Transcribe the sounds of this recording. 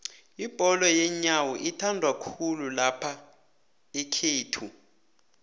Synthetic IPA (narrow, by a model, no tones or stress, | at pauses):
ib̥ʱɔlɔjɛɲawɔʔitʰandʱwakʰululapʰa | ɛkʰeːtʰu